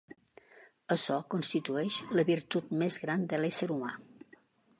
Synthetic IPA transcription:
əsɔkunst̪it̪uɛʃləβiɾt̪ut̪mezɣɾand̪əlɛsəɾuma̰

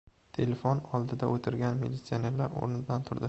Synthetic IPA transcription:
t̪ʰe̞lefonɒlˠd̪ɪd̪aʔot̪ʰɪɾɡʲanmelʲit̪sione̞ɾlaɾo̰ɾnɪblant̪ʰʊɾd̪ɪ

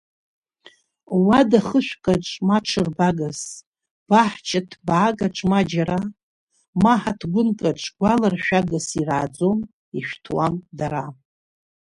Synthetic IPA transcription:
wadaχəʃʷᶣkʼaʈ͡ʂʼmaʈ͡ʂʰɨrbaɡas | b̥aħt͡ʃʰatʰbaɡaʈ͡ʂʼmad͡ʒaɾa | maħatʰɡʷʊnkʼaʈ͡ʂʰʼɡʷalarʃᶣaɡasiraːd͡zo̞m | iʃᶣʷtʰwamdaɾa

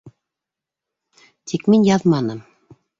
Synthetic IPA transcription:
t̪ʰikminjɑðmɑnɤm

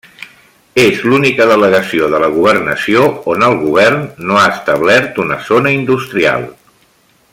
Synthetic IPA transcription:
ezlunikəðələɣəsioðələɣ̞uβərnəsioonəlˠɣuβ̞ɛrnːoaəst̪əβ̞lɛɾt̪unəzonəind̪ust̪ɾia̰lˠ

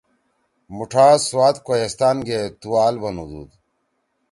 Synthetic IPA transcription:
muʈʰaːswaːt̪kojest̪aːnɡet̪uwaːlbɐnud̪ṵːd̪

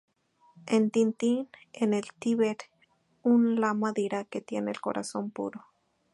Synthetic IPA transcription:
ent̪int̪inenelt̪iβeɾ | unlamaðeɾaket̪jeneːlko̰ɾʔa̰sompṵɾo

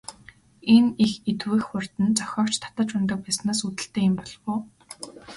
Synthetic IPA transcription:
enixet̪weːxxʊr̥t̪ɘ̆nt͡sœxʲɔːwt͡ɕt̪ʰḁt̪ə̆t͡ɕʊnt̪ə̆k̚pæːsnaːsut̪ɘ̆ɬt̪eːɪmpɔɮʁʊː

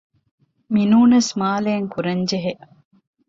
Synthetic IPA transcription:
minuːnɐsmaːleːŋkuɾɐɲd͡ʒeɦeʔ

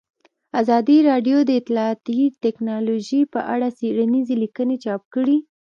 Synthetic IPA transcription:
azɑd̪iɾɑɖjod̪əɪt̪lɑt̪it̪ɛknɑloʒipəʔaɽaseɽanizelikənet͡ʃɑp̚kəɽi

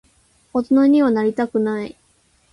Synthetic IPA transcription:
ot̪onoɲ̟iβanaɾʲit̪akɯ̟nai

